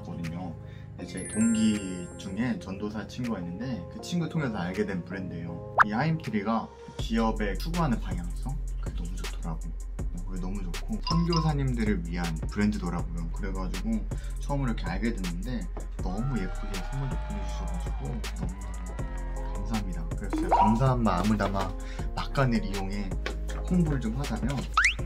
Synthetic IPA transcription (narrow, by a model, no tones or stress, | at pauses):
kʌdɯɲo | id͡ʑe̞toŋɡid͡ʑuŋe̞t͡ɕʌndosʰat͡ɕʰiŋɡuɡainːɯnde̞kɯt͡ɕʰinɡutʰoŋe̞s̬ʰʌaɭɡe̞dwe̞npɯɾe̞ndejo | ihaimtʰɯɾiɡa | kiʌbe̞t͡ɕʰuɡuɦanɯnpaɲjaŋes͈ʰʌkɯɡenʌmut͡ɕotʰoɾaɡo | mokɯɡenʌmut͡ɕokʰosʰʌŋɡjosʰaɲimdɯɾɯɭɥiɦanpɯɾe̞ndɯdoɾaɡojokɯɾe̞ɡad͡ʑiɡo | t͡ɕʰʌʌmɯiɾʌkʰe̞aɭɡe̞dwenːɯnde̞ | nʌmujep͈ʰuɡesʰʌmoɭdopʰoned͡ʑuɕʰʌɡad͡ʑiɡo | nʌmu | kamsʰaɦamɲidakɯɾe̞sʰʌt͡ɕeɡkamsʰaɦamːaɯmɯdama | mak͈anɯɾijoŋe̞ | hoŋbuɾɯɭd͡ʑomhad͡ʑamjʌn